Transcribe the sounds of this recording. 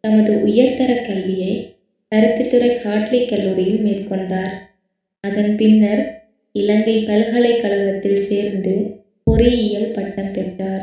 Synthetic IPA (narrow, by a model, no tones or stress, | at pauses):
t̪ɐmɐðɯʔʊjɐɾt̪ɐɾɐkːɐlʋɪjɐɪ | kɐɾɯt̪ːɪt̪ːɯɾɐɪhaːʈlɪkːɐlːuːɾɪjɪlmeːrkɔɳɖaːɾ | ɐðɐnpɪnːɐɾ | ɪlɐŋɡɐɪpɐlɣɐɭɐɪkːɐɭɐɣɐt̪ːɪlseːɾnd̪ɯ | pɔɾɪɪjɐlpɐʈːɐmpɛʈːaːɾ